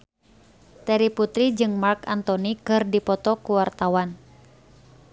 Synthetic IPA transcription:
t̪ɛɾiput̪ɾid͡ʒɨŋmarkant̪ɔnikɨrdipɔt̪ɔkuwart̪awan

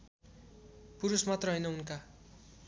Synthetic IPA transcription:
puɾusmat̪rʌɦʌjnʌunka

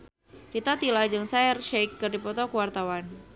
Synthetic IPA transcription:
ɾit̪at̪ilad͡ʒɨŋsaɛrʃejkːɨrdipɔt̪ɔkuwart̪awan

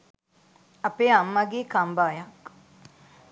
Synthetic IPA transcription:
apeamːɐɡeːkambaːjɐk

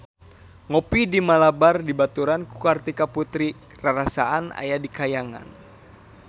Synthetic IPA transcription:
ŋɔpidimalabardibat̪uɾankukart̪ikaput̪ɾi | raɾasaana̰jadikajaŋa̰n

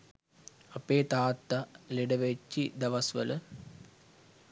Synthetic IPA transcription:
ɐpeːt̪aːt̪ːɐleɖɐʋet͡ʃːid̪ɐʋɐsʋə̰lə

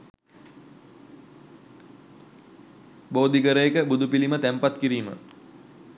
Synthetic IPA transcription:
boːd̪iɡəɾəjekəbud̪upilimət̪æmpat̪kiɾiːmə̰

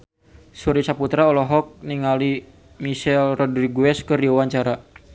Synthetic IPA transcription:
suɾit͡ʃaput̪ɾaɔlɔɦɔk̚niŋali | misɛlrɔdɾiɡuɛskɨrdiawaɲt͡ʃaɾa

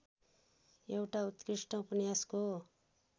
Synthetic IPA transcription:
ewʈaut̪kɾiʂʈʌ̃upnjasko

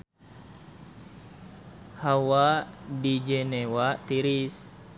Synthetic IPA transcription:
hawadid͡ʒenewat̪iɾis

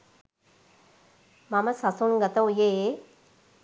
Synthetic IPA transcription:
mɐməsɐsunɡɐt̪ɐwje

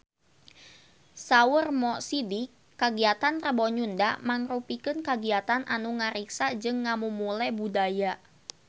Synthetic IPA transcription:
saʊrmɔsidikːaɡiat̪anrəbɔɲunda̰maŋrupikɨnkaɡiat̪anʔanuŋaɾiksad͡ʒɨŋːamumulɛbudaja

